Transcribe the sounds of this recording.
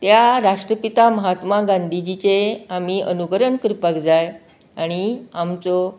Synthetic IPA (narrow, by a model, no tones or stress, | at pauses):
t̪jaɾaʂʈɾəpit̪aməɦat̪maɡãnd̪ʱid͡ʑit͡ɕeam̤iʔənukəɾəɳkɾipəkd͡zaj | aɽ̃iamt͡sɔ